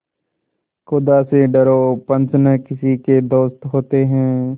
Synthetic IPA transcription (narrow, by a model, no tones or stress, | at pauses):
xʊd̪aseɖɐɾoːpɐ̃nt͡ʃnəkɪsiked̪oːst̪ɦoːt̪eɦɛ̃ː